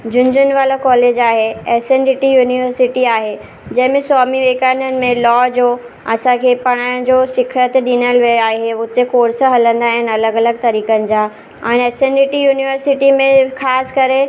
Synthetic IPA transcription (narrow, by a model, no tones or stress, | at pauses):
d͡ʑʊ̃ɲd͡ʑʊnʋaːlakɔːleːd͡ʑaːɦeɛːsẽɳɖɪʈijuːniʋəɾsɪʈiaːɦe | d͡ʑɐ̃ɦɪ̃mẽsɔːmiʋeːkaːnənɪ̆mẽlɔːd͡ʑoː | ɐsãkʰeːpɐɽ̃ãːd͡ʑoːsɪkʰət̪ɗinəlʋejaːɦeʊt̪ekoːɾsə̆ɦɐlə̃nd̪aːɦɪn̆ɐləɡɐləɡ̚t̪ɐɾiːkənɪ̆d͡ʑaː | ɛ̃ːnɛːsẽɳɖɪʈijuːniʋəɾsɪʈimẽxaːskɐɾe